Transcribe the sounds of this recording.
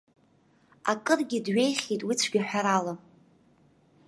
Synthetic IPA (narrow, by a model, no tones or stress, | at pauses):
a̰kʼɨrɡʲɪdɥe̞jχʲitʼwit͡sʷʰɡʲiħʷᶣaɾala